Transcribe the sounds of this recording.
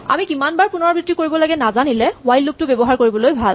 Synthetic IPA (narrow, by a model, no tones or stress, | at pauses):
a̰mikimanbaɹpunɔɹbɹitɹikoɹibɔlaɡɛnazanilɛwajlːup̚tʊbebɔɦaɹkoɹibɔlojbʱal